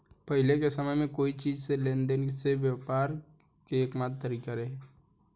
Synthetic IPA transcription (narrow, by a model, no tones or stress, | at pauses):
pəɦɪlekesəməjmẽkoːit͡ʃiːd͡ʒselẽːnd̪enseʋjapaːɾ | keːkmaːt̪t̪ːəɾiːkaɾəɦe